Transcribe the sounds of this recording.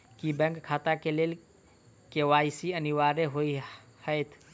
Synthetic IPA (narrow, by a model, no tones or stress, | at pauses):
kibɛ̃ŋkkʰaːt̪akeleːl | keʋaːjsiəniʋaːɾeɦoi | həɪt̪ʰ